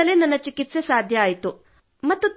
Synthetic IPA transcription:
ɐlenɐnːɐt͡ʃikit̪se̞saːd̪ʱjɐːjit̪u | mɐt̪ːut̪

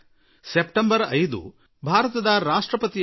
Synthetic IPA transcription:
sepʈembɐɾɐjd̪ṵ | bʱaːɾɐt̪ɐd̪ɐɾaːʂʈɾɐpɐt̪i

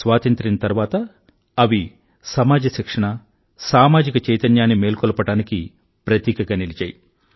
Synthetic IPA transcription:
sʋaːt̪ɐnt̪ɾinɐt̪ɐɾʋaːt̪ɐ | ɐʋi | sɐmaːd͡ʒɐʃikʂɐɳɐ | saːmaːd͡ʒikɐt͡ʃɐjt̪ɐnjaːnːimeːlkɔlɐpɐʈaːniki | pɾɐt̪iːkɐɡanilit͡ʃa̰ːji

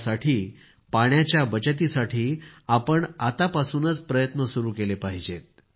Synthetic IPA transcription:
saʈʰiː | paɳjat͡ɕjabət͡ɕət̪̬isaʈʰiːapəɳat̪apasuːnət͡spɾəjət̪nəsuɾuːkelepaɦid͡ʑet̪̚

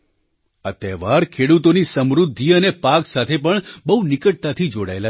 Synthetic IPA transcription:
at̪ɛʋaɾkʰeɽut̪onisəmɾud̪ʱːiənepaksat̪ʰepəɳbəunɪkəʈ̚t̪at̪ʰid͡ʒoɽa̰ela

